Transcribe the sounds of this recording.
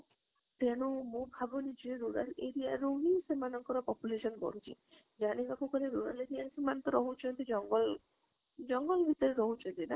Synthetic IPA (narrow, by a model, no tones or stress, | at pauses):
t̪eɽ̃umõbʱabɔnid͡ʒieɾuɾaleɾijaɾuɦisemanɔŋkɔɾɔpɔpjuleʃɔnbɔ̰ɾut͡ʃʰḭ | d͡ʒaɽ̃ikakukɔɾeɾuɾaleɾijansemant̪ɔɾɔɦut͡ʃʰɔnt̪id͡ʒɔŋɡɔl | d͡ʒɔŋɡɔlbʱit̪ɔɾeɾɔɦut͡ʃʰɔnt̪ina